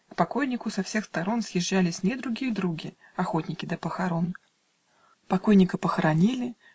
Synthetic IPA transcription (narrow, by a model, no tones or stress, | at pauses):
kpɐko̞jnʲɪkʊsɐfsʲe̞xst̪ɐɾo̞nsjɪʒːælʲɪsʲnʲed̪ɾʊɡʲijəd̪ɾuɡʲɪ | ɐxo̞t̪ʲnʲɪkʲɪd̪əpəxɐɾo̞n | pɐko̞jnʲɪkəpəxəɾɐnʲilʲɪ